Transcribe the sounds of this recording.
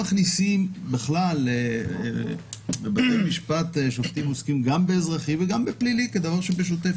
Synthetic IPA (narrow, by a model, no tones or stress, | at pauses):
aχnisimbeχlalḛ | bebat̪ejmiʃpat̪eʃoft̪imoskimɡambeeːzʁaχiveɡambepliliked̪avaʁʃebeʃ̬ot̪ef